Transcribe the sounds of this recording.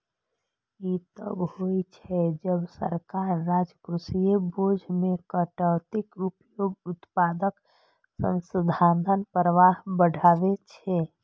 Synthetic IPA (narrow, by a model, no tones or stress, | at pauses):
jit̪ə̰bhoit͡ʃʰɛd͡ʒəbsə̰ɾkaɾːad͡ʒkɾusijebod͡ʒʱmekəʈəwt̪ikɾupjoɡʊt̪pad̪ək | sə̰̃nsəd̪ʱad̪ʱənpɾəʋaɦbəɽ̤ʱaʋet͡ʃʰɛ